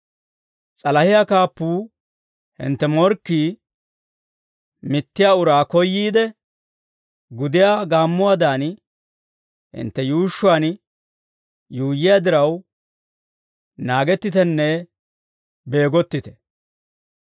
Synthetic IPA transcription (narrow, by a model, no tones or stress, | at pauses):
t͡sʼɐlɐhɪjaːkaːpːuː | hɪ̰nt̪ːɛmɔɾkːiː | mɪt̪ːɪjaːʊɾaːkɔjːiːd̪ɛ | ɡʊd̪ɪjaːɡaːmːʊwaːd̪aːn | hɪ̰nt̪ːɛjuːʃːʊaːn | juːjːɪjaːd̪ɪɾɐw | naːɡɛt̪ːɪt̪ɛnːɛ | be̞ːɡɔt̪ːɪt̪ɛ̥